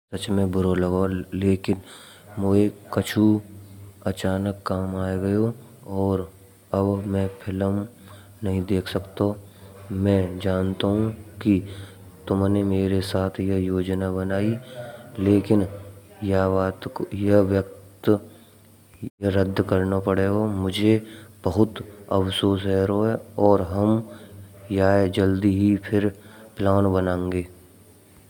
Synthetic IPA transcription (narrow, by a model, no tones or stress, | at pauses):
sɐt͡ʃmẽbʱʊɾolɐɡoleːkɪn | mʊekɐt͡ʃʰu | ɐt͡ʃaːnəkːaːmaːeɡɐjo | ɔːɾ | ɐbmɛ̃ːpʰɪləm | nɐɦĩd̪eːkʰsɐkt̪o | mɛ̃ːd͡ʒaːnt̪aɦũki | t̪ʊmnemeːɾesaːt̪ʰjɐjoːd͡ʒnabɐnaːileːkɪnjaʋaːt̪kojɐɦʋjək̚t̪ | jəɾəd̪ʱːkɐɾnapɐɽeːɡomʊd͡ʒʱeb̥ɐɦʊt̪ɐʋsoːs̬ɦɛːɾoɦɛɔːɾɦɐm | jaːed͡ʒəld̪iɦipʰɪɾplaːnbənãːẽŋɡeː